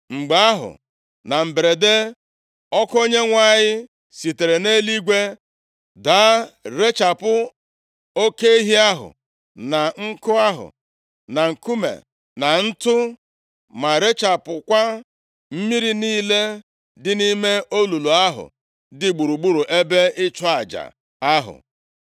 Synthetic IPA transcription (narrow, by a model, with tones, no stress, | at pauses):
ŋ͡m̩˨ɡ͡ba˦a˦ɦʊ̰˨ | na˨m̩˨be˨ɾe˨de˦ | ɔ˦ko˦ɲe˦ŋʷa˦˨ɲɪ˦ | si˨te˨ɾe˨ne˦li˦ɡʷe˦ | da˦ɾe˦t͡ʃa˨pʊ˦ | o˦ke˦i˦ɦi˦a˦ɦʊ̰˨ | na˨ŋ̩˦kʊ˦a˦ɦʊ̰˨ | na˨ŋ̩˨ku˦mḛ˨ | na˨n̩˦tʊ˦ | ma˨ɾe˦t͡ʃa˨pʊ˨kʷa˦ | m̩˦mi˦ɾi˨niː˦le˦ | dɪ˦ni˦me˦o˦lu˨lu˨a˦ɦʊ̰˨ | dɪ˨ɡ͡bu˨ɾu˨ɡ͡bu˦ɾu˨ʔe˦be˦ɪ˦t͡ʃɔ˦a˨d͡ʒa̰˨ | a˦ɦʊ̰˨